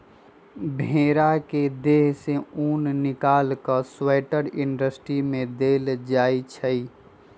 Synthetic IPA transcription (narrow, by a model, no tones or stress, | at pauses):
bʱeːɾaked̪eːɦseuːnnɪkaːlkəswɛːʈəɾɪɳɖəsʈɾimẽd̪eːld͡ʒaːit͡ʃʰəi